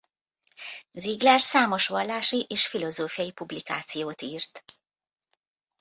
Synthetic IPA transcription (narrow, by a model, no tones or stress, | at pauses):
ziɡlɛrsaːmo̞ʃʋɒlːaːʃiʔeːʃfilo̞zoːfijɒjipublikaːt̪sijoːt̪iːrt̪